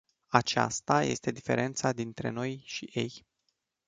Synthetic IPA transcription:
at͡ʃa̰st̪aje̞̰st̪e̞d̪ife̞̰ɾʔe̞nt̪sad̪int̪ɾe̞̰no̞jʃije̞j

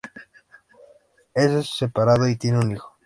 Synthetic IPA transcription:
esesːepaɾaðoit̪jeneunixo̥

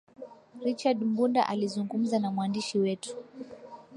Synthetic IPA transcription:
ɾit͡ʃadm̩bunda̰ʔalizuŋɡum̩zanamwandiʃiwɛtu̥

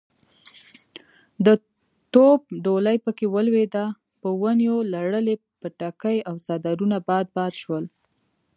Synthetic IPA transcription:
d̪ə | t̪ob̚d̪olajpəkewəlwed̪a | pəwənjolaɽəle | pəʈakəjawsɑd̪aɾunabɑd̪̚bɑd̪ʃwəl

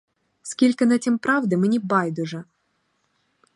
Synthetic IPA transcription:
skʲilʲkɪnɐtʲimpɾɑwd̪ɪmenʲibɑjd̪ʊʐɛ

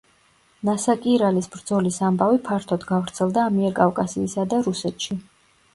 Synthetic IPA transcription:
nasakʼiɾalisbɾd̪zɔlisambavipʰaɾt̪ʰɔd̪ɡavɾt̪sʰɛlˠd̪aːmiɛɾkʼavkʼasiːsad̪aɾusɛt̪ʰʃi

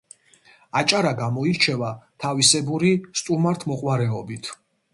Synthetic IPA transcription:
at͡ʃʼaɾaɡamɔiɾt͡ʃʰɛvat̪ʰavisɛbuɾist̪ʼumaɾt̪ʰmɔqʼwaɾɛɔbit̪ʰ

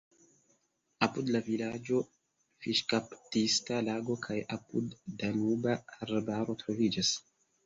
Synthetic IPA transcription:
apudlavilad͡ʒo̞ | fiʃkaptistalaɡo̞kʰajapṵdːanubaaɾbaɾo̞tɾo̞vid͡ʒas

